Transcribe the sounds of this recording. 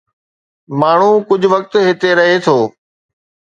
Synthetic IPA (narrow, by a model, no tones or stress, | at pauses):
maːɳ̤ũkʊd͡ʑʱʊʋək̚t̪ɦɪt̪eɾɐɦet̪ʰoː